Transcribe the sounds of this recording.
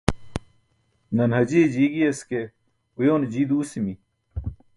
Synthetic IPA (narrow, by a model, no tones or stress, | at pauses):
nɐnɦɐd͡ʑeːd͡ʑiɡiɐske | ujoːnd͡ʑiːd̪uːsimi